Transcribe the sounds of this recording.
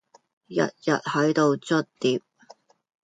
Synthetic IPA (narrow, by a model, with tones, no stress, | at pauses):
jɐ̰˨t̚jɐ̰˨t̚hɐ˨˥jt̪o˧wt͡sɵ˥t̚t̪iː˨˩p̚